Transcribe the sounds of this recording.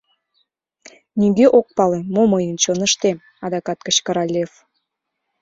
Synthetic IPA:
niɡeʔok̚pɑlemoməjənt͡ɕonə̆ʃt̪e | ɑd̪ɑkɑt̪̚kə̆t͡ɕkəɾɑlʲef

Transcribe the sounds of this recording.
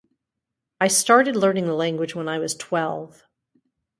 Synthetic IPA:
aɪstɑɹɾɨdˡlɜ̃˞nɪ̃ŋðəlæ̃ŋɡwɨd͡ʒwə̃naɪwʌz̥tʰw̥ɛlˠv̥

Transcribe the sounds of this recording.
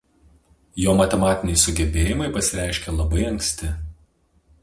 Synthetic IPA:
joːmɐt̪ʲɛmɑːt̪ʲɪnʲɛɪsʊɡʲɛbʲeːjɪmɐɪpɐsʲɪɾʲæˑɪʃʲkʲelˠɐbɐɪɐŋksʲt̪ʲɪ

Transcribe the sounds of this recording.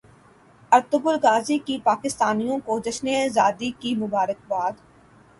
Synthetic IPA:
ɐɾt̪ʊbʊlɡaːzikipaːkɪst̪aːnijõkod͡ʒɐʃnezaːd̪ikimʊbaːɾək̚baːd̪

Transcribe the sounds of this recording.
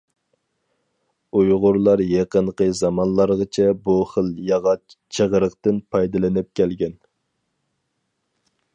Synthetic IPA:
ujʁʊɾlˠɑɾjeqənqəzɑmɑnlˠɑɾʁət͡ʃʰɛbuχəlˠjɑʁɑt͡ʃʰəʁɾəqt̪ɨnpʰɑjd̪ɨlˠɪnɪp̚kʲʰɛlɡʲɛn

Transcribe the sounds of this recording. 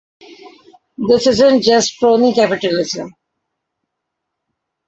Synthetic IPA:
d̪ɪsɪzə̃ɳʈ̚d͡ʒʌsʈpɾõːnikæpɪʈəlɪzə̃m

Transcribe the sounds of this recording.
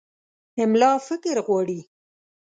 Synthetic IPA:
ɪmlɑfɪkɪɾɣwɑɽi

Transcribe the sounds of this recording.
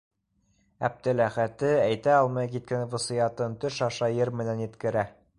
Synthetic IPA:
æb̚t̪ɘlæχæt̪ɘæjt̪æɑlˠmɑjkit̪̚kænvɤ̆sɤ̆jɑt̪ɤnt̪ɵʃɑʃɑjɤɾmɘ̆nænjɘ̆t̪kɘ̆ɾæ

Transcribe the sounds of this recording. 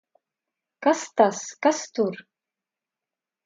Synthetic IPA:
kast̪askast̪ʰur

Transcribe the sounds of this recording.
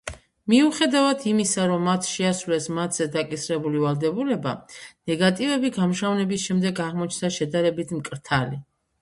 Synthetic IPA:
miuχɛd̪avad̪ʰimisaɾɔmːat̪ʰʃɛasvlɛsmat̪ʰz̥ɛd̪akʼisɾɛbulivalˠd̪ɛbulɛba̰nɛɡat̪ʼivɛbiɡamʃavnɛbisʃɛmd̪ɛɡaʁmɔt͡ʃʰnd̪aʃɛd̪aɾɛbit̪ʰmkʼɾt̪ʰali

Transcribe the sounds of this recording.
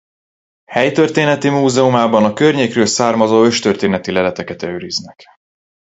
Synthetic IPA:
hɛjt̪ø̞rt̪eːnɛt̪imuːzɛumaːbɒnɒkø̞rɲeːkrøːlsaːrmɒzoːø̞ʃt̪ørt̪eːnɛt̪ilɛlɛt̪ɛkɛt̪ɛøːɾiznɛk

